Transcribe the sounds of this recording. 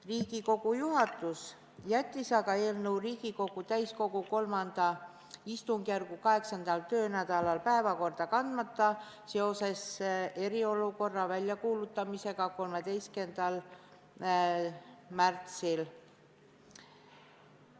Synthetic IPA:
riːɡ̥iko̞ɡ̥ujuɦɑt̪ˑus | jæt̪ʲːisɑɡɑe̞ːlnəwriːɡ̥iko̞ɡ̥ut̪æjsko̞ɡ̥uko̞lmɑnd̪̥ɑ | ist̪uŋɡ̥jærɡ̥ukɑɦe̞ksɑnd̪̥ɑlt̪ø̞ːnæd̪̥ɑlɑlpæe̞vɑko̞rd̪̥ɑkɑnd̪̥mɑt̪ˑːɑ | se̞o̞se̞se̞ɾio̞luko̞rːɑvælʲjɑkuːlut̪ːˑɑmise̞ɡ̥ɑko̞lme̞d̪e̞jske̞nd̪̥ɑl | mært̪sil

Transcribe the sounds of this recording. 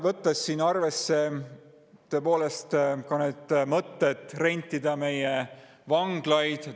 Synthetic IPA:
vɤt̪ːɑsːiːnɑrve̞sːe̞ | t̪øepo̞ːle̞st̪kɑneːd̪̥mɤt̪ːet̪ːˑre̞nʲt̪ːid̪ɑme̞je | vɑŋɡ̥lɑjd̪̥

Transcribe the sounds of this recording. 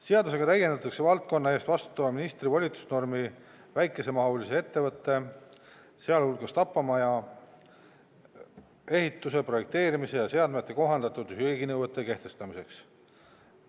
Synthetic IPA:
se̞ɑd̪us̬e̞ɡ̥ɑt̪æjend̪̥ɑt̪ːˑɑkse̞vɑlt̪̚ko̞nːɑe̞ːst̪vɑst̪u̥t̪ˑːɑvɑminist̪rivɑlʲit̪u̥sno̞rmi | væjkːˑe̞se̞mɑɦulisee̞t̪ːevɤt̪ːe̞ | se̞ɑlhulɡ̥ɑst̪ɑpːɑmɑjɑ | e̞ɦhit̪ːˑuse̞pro̞je̞k̚t̪e̞ːɾimise̞jɑse̞ɑd̪met̪ːˑe̞ko̞ɦɑnd̪̥ɑt̪ːˑud̪̥hyeɡinɤwvet̪ːˑe̞ke̞ht̪e̞st̪ɑmise̞ks

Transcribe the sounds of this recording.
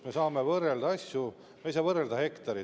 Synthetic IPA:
mesɑːme̞vɤrːeld̪̥ɑɑsʲju | mejsɑːvɤreld̪̥ɑhe̞kt̪ɑɾi

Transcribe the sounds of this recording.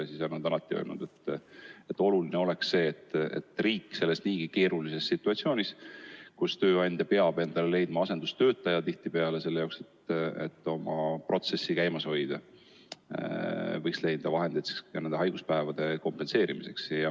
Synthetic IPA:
sisonɑd̪ɑnlɑt̪ːˑiø̞̰ːlnud̪e̞t̪ːet̪ːˑo̞lulineo̞le̞ksse̞ːt̪ːḛt̪ːˑriːkːˑse̞lːesniːɡ̥ike̞ːɾulise̞sːit̪ːˑuɑt̪sio̞ːnʲiskust̪ø̞ːɑnʲd̪̥ʲɑpe̞ɑb̥e̞nd̪̥ɑlele̞jd̪̚mɑɑse̞nd̪ust̪ø̞ːt̪ːˑɑjɑt̪iht̪ipe̞ɑle̞se̞lːejɑokse̞t̪ḛt̪ːo̞mɑpro̞t̪se̞sːikæjmɑsho̞jd̪̥ɑ | vɤjksle̞jd̪̥ɑvɑɦe̞nd̪it̪ɑnend̪eɑjɡ̥uspæevɑd̪̥e̞ko̞mpe̞nse̞ːɾimise̞ksjɑ

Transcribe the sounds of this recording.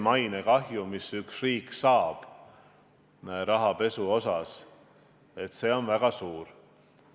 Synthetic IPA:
mɑjnekɑɦjumisyksriːksɑːb̥ | ɾɑɦɑpe̞suo̞sɑs | e̞t̪se̞ːo̞nvæɡ̥ɑsuːɾ

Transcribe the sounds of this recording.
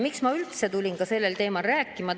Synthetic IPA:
miksmɑylt̪se̞t̪ulʲinkɑse̞lːe̞lt̪e̞ːmɑlræːkːˑimɑ

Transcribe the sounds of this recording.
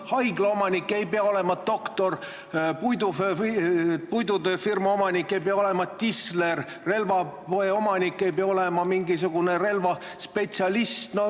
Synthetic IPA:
hɑjɡ̥lɑo̞mɑnikːˑe̞jpeɑo̞le̞mɑd̪o̞kt̪o̞r | pujd̪uf | pujd̪ud̪efirmɑo̞mɑnikːe̞jpeɑo̞le̞mɑt̪isler | re̞lvɑeo̞mɑnikːe̞jpeɑo̞lemɑmiŋɡisuɡ̥unere̞lvɑ | spe̞t̪siɑlist̪no

